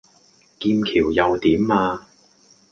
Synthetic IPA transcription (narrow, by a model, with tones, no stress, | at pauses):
kiː˧mkʰiː˨˩wjɐ˨wt̪iː˨˥maː˧